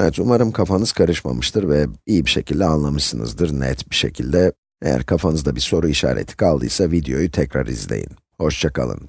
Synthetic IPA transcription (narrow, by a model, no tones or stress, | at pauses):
ɛvɛt̪umaɾɯmkʰafanɯz̥kʰaɾɯʃma̰mɯʃt̪ʰɯɾvɛijibiʃe̞cʰilʲd̪ɛanlˠamɯʃsɯnɯ̰zd̪ɯɾnɛ̰t̪biʃecʰilʲd̪ɛ | ejæ̰ɾkʰafanɯzd̪abiɾso̞ɾuiʃa̰ːɾʔḛt̪ʰi̥kʰalˠd̪ɯ̰jsavid̪ejo̞jyt̪ʰɛcɾaɾḭzlʲḛjḭn | ho̞ʃt͡ʃʰakʰa̰lˠɯ̰n